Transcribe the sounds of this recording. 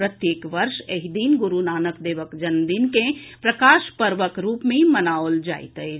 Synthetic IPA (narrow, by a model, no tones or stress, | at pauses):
ɾət̪jeːkʋəɾʃeɦid̪iːnɡʊɾunaːnəkd̪eːʋəkd͡ʒɐnd̪inkẽpɾəkaːʃpəɾʋəkɾuːpmẽmənaːold͡ʒa̰ːɪ̰t̪əj